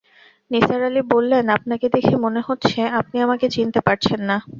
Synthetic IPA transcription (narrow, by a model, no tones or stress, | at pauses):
nisaɾalibolːenap̚naked̪ekʰimoneɦotːɕʰeap̚niamaket͡ɕint̪epaɾt͡ɕʰenːa